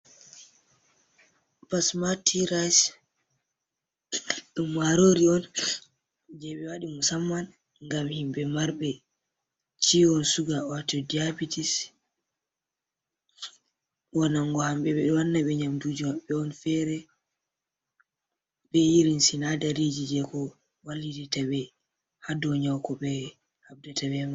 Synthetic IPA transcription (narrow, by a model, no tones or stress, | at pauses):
pasmatʰiɾas | ɗumːaɾoɾiɔn | d͡ʒɛɓɛwaɗimusamːan | ŋɡamhimbɛmaɾɓɛ | t͡ʃiɔnsuɡawatɔdiabitis | wanaŋɡɔhamɓɛɓɛɗɔwanːaɓɛɲamdud͡ʒumaɓɛɔnfɛɾɛ | bɛjiɾinsinadaɾid͡ʒid͡ʒɛkɔ | walːidɛtabɛ | hadɔɲawkɔɓɛ | hab̚databɛma